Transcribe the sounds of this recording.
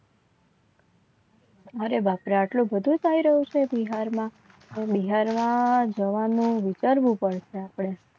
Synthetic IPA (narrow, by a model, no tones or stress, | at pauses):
əɾebapɾaːʈlũbəd̪ʱũd͡ʒaiɾəɦũt͡ʃʰebiɦaɾmã | t̪obiɦaɾmãd͡ʒəʋanũʋit͡ʃaɾʋũpəɽʃeapɳ̃e